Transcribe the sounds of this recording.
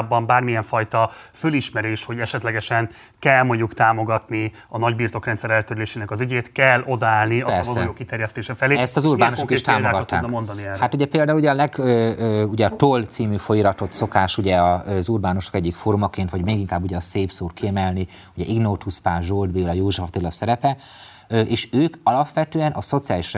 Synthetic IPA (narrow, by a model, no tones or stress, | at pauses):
bːɒmbaːrmijɛɱfɒjt̪ɒføliʃmɛɾeːʃho̞ɟɛʃɛt̪lɛɡɛʃɛn | kɛlmoɲukt̪aːmo̞ɡɒt̪ni | ɒnɒɟbiːrt̪o̞krɛnt̪sɛɾɛlt̪øɾyleːʃeːnɛkɒzyɟeːt̪kɛlːo̞d̪ɒaːlniɛrsɛjoːkit̪ɛɾjɛst̪eːʃɛfɛleːɛst̪ɒzuːrbaːnoʃokiʃt̪aːmoaːɡɒt̪ːaːɛmond̪ɒniɛhat̪uɟɛpeːld̪aːulːuɟɛɒlɛɡøøːuɟɛɒt̪oːlt̪siːmyːfo̞jiɾɒt̪o̞t̪so̞kaːʃuɟɛɒøzuːrbaːno̞ʃokɛɟːikfoːɾumɒkeːnt̪ʋɒɟmeːɡiŋkaːbːuɟɛɒseːpsoːrkiɛmɛlniuɟɛʔiɡnoːt̪uspaːʒold̪beːlɒjoːʒɛft̪ilːɒsɛɾɛpɛ | øʔeːʃøːkɒlɒpʋɛt̪øːɛnʔɒso̞t̪sijaːliʃr